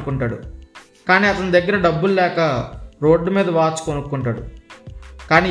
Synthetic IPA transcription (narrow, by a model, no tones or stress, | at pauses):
kuɳʈaːɽṵ | kaːniːɐt̪ɐnud̪ɐɡːɐɾɐɖɐbːullɛːkɐɾo̞ːɖːumiːd̪ɐʋaːt͡ʃu̥konukːuɳʈaːɽṵ | kaːniː